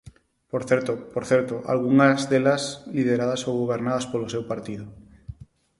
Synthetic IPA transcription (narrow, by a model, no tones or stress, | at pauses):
poɾθeɾt̪opoɾθeɾt̪oʔa̰lɣuŋazðelaslið̞eɾaðasowɣoβeɾnaðaspolosewpaɾt̪iðo